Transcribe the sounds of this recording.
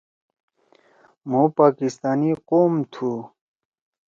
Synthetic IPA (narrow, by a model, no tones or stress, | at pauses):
mũpaːkist̪aːniqoːmt̪ʰuː